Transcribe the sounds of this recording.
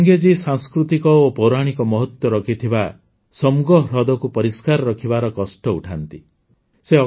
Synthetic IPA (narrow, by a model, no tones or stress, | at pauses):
ŋɡed͡ʒisaŋskɾut̪ikɔopɔwɾaɽ̃ikɔmɔɦɔt̪wɔɾɔkʰit̪ʰiba | sɔmuɡɔɦɾɔd̪ɔkupɔɾiskaɾɔɾɔkʰibaɾɔkɔsʈɔuʈʰant̪i | seɔ